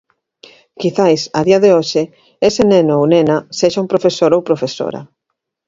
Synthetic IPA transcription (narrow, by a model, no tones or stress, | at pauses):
kiθajsɐðiɐðeoʃɪ | esɪnenoownenaseʃaumpɾofesoɾowpɾofeso̰ɾɐ̰